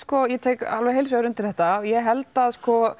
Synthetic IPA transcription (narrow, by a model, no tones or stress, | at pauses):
skɔjɛt̪ʰeːjka̰lvɛɦejls̬œɾʏmt̪ɪlθɛht̪aɔjɛɦɛlt̪aðskɔ